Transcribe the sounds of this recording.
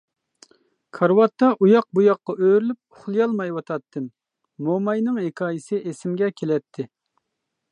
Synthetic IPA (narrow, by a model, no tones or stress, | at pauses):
kʰɑɾwɑt̪ʰːɑʔujɑq̚bujɑqːɑʔøɾylyp̚ʊχlˠɨjɑlˠmɑjwɑt̪ʰɑt̪ʰːɨmː | omɑjnɨŋɦekʰɑːjisɨʔesɪmɡʲɛkʲʰelɛt̪ʰːɪ